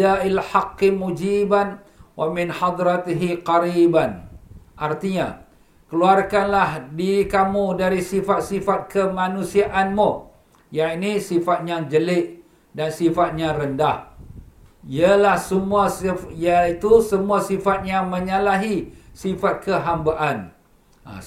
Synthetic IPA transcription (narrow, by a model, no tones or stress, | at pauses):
ailħaɑqːɪmud͡ʒiban | wamɪnħɑd̪ɾat̪iɦiqaɾibanʔart̪iɲa | kəluarkanlahdikamũdaɾisifat̪̚sifat̪̚kəmanũsiaʔanmu | jainisifat̪̚ɲaŋd͡ʒəlɪʔ | dansifat̪̚ɲaɾəndah | ialahsəmuajait̪usəmuasifat̪̚ɲãməɲalaɦisifat̪̚kʰəɦambaʔan | a̰